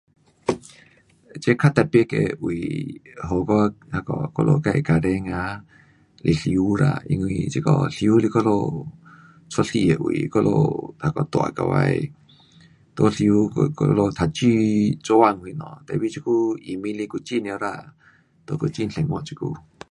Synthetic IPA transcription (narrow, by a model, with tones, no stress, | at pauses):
t͡ʃe˦kʰa˦t̪a˧pje˦ke˧ʔwi˨ɦo˧˨kɔ˦ha˧kɔ˧ko˧lo̰˧ka˧e˧˨ka˧ɾe˧˦ŋã˧˦ | lʔi˧ɬju˧˦ɾa̰˧ḭ˧ŋwĩ˧t͡ʃi˦˧kɔ̰˧ɬju˦li˧kɔ˦lo˧ | t͡sʰo˦ɬi˧e˨ʔwi˨kɔ˦lʔo̰˧t̪ha˧kɔ˧t̪wa̰˧˨ka˧wa˧j | t̪o˧ɬju˧˦klo˧t̪ʰa˧˨t͡ʃi˦t͡ʃo˧˦a˧ŋwĩ˧nɔ̰̃˨t̪e˧˨βi˦t͡ʃi˧ku˦i˨mĩ˧li˧ku˧t͡ʃi˦nĩ˧o˧ɾa˧˨ | t̪o˧ko˧t͡ʃi˦˧nɬe˨ŋõ˧t͡ʃi˧kṵ˦